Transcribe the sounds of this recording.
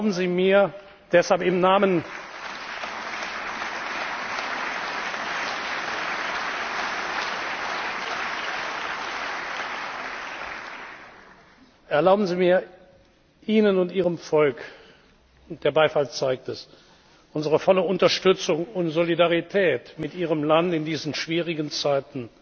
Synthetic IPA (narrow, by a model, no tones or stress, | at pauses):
bn̩ziːmiːɐ | d̥ɛshalpɪmnaːmən | ʔɛɐlaʊbn̩ziːmiːɐ | ʔiːnənʊntʔiːʁəmfɔlk | ʊnd̥eːɐbaɪfalt͡saɪk̚tɛs | ʔʊnzəʁəfɔləʊntɐʃtʏt͡sʊŋʊntz̥olidaʁitʰɛːtmɪtʔiːʁ̞əmlantɪndiːzn̩ʃv̥iːʁɪɡənt͡saɪtn̩